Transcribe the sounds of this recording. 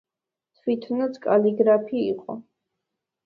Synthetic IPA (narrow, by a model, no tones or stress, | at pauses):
t̪ʰwit̪ʰnat̪sʰkʼaliɡɾapʰiiqʼɔ